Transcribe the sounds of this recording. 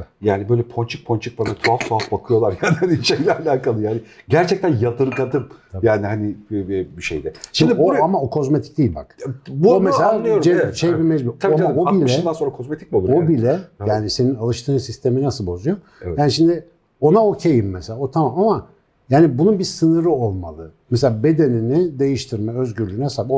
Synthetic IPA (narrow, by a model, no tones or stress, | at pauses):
jaːnibø̞jlʲɛpʰont͡ʃʰɯk̚pʰont͡ʃʰɯk̚banat̪ʰuaft̪ʰuafbakʰɯjo̞lˠaɾjaːnihaniʃejlʲɛlʲɛakalˠɯjaːnɪɟæɾt͡ʃʰɛc̚t̪ænjat̪ɯɾɯkad̪ɯmjaːnihanibiʃejd̪ɛʃimd̪ioamaokʰo̞zmet̪ʰi̥c̚d̪ejilʲba̰kbomeselʲaːɯjoɾd͡ʒeʃejbimɛd͡ʒbiaiamoilʲɛansonɾakʰozmet̪ʰi̥c̚bolˠɾobilʲɛjaːnise̞ninalˠɯʃt̪ʰɯːnsist̪ʰe̞minasɯlˠbo̞zujo | jaːniʃimd̪ɪ | o̞naocʰejimːeselʲaːot̪ʰamamama | jaːnibununbiɾsɯnɯɾɯolˠma̰lˠɯmɛs̬e̞lʲaːbe̞d̪e̞ninid̪e̞jiʃt̪ʰiɾmɛøzɟyɾlʲyːnɛhesaːb